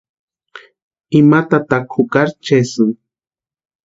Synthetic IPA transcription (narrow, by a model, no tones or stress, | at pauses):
ɪmat̪at̪akʰʊkaɾt͡ʃesɨŋ